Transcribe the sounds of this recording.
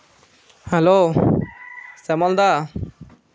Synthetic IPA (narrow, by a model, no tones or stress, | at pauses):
hɛlo | sɛmɔld̪a